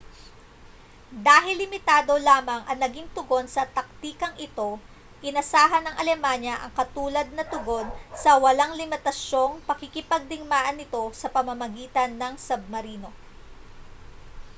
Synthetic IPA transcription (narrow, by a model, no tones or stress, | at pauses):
d̪aːɦɪlːɪmɪt̪aːd̪o̞laːmɐŋʔɐŋnɐɡiŋt̪ʊɡo̞nsɐt̪ɐk̚t̪iːkɐŋʔɪt̪o̞ | kɪnɐsaːɦɐnɐŋʔɐlɛmanjɐʔɐŋkɐt̪uːlɐd̪̚nɐt̪ʊɡo̞nsɐwɐlaŋlɪmɪt̪ɐso̞ŋpɐkɪkɪpɐɡ̚d̪ɪŋmaːʔɐnːɪt̪o̞sɐpɐmɐmɐɡiːt̪ɐnːɐŋsɐb̚mɐɾiːno̞